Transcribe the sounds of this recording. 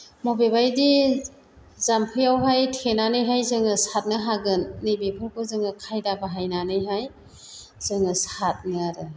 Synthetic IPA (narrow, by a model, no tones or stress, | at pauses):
mɔbebajdi | zampʰɯjawɦajtʰenanɯjɦajzɯŋɯsat̚nɯɦaɡɯnːijbepʰɯɾkʰɔzɯŋɯkʰajdabaɦajnanɯjɦaj | z̥ɯŋɯsat̚nɯaɾɯ